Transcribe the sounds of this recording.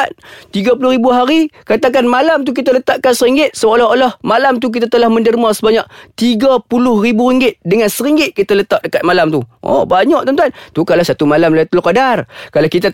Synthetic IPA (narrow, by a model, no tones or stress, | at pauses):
ant̪iɡapulʊhɾibuɦaɾikat̪ak̬anmalamt̪̬uk̬it̪alət̪aʔkansəɾiŋɡɪt̪̚səolɔolɔhmalamt̪̬uk̬it̪̬at̪əlahməndəɾimasəbaɲaʔ̚t̪iɡapulʊhribuɾiŋɡɪt̪dəŋansəɾiŋɡɪt̪̚kit̪alət̪aʔ̚dəkat̪̚malamt̪uʔɔ̰baɲaʔ̚t̪ənt̪ant̪ukalasat̪umalamlait̪ulokadarkalakit̪a